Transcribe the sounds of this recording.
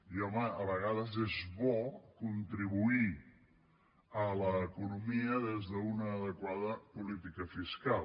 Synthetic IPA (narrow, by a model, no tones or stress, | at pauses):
iɔməəβəɣaðəzezβɔkunt̪ɾiβui | ələːkunumiəðezðəunəːðəkwaðəpulit̪ikəfiskal